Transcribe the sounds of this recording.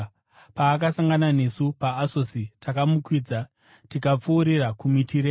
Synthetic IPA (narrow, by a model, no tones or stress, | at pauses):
paːk̬asaŋɡanane̞supaːso̞sitakamukwiːd͡za | tikap͡fuːɾirakumitʰiɾe